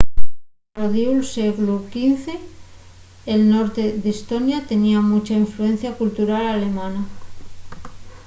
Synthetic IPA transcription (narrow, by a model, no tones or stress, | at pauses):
oðiulseɣlukinθe | elnoɾt̪eðest̪onjat̪e̞niamut͡ʃaiɱfluẽn̟θjakult̪uɾalale̞mãna